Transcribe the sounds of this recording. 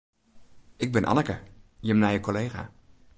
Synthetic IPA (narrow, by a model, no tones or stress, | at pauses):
ʔɪɡ̚bɪnʔɑ̰nəkəjəmnajəkolejχa̰ː